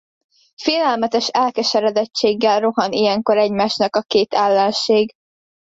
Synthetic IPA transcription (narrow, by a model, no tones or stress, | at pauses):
feːlɛlmɛt̪ɛʃɛlkɛʃɛɾɛd̪ɛt͡ʃːeːɡːɛlro̞ɦɒnijɛŋko̞ɾɛɟmaːʃnɒkɒkeːt̪ɛlːɛnʃeːɡ